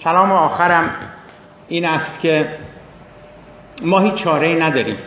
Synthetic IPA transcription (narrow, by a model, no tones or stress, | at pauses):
kʲʰælɒːmeɒːxæɾæm | iːnæst̪kʰe | mɒːhiːt͡ʃːt͡ʃʰɒːɾeiːnæd̪ɒːɾḭːm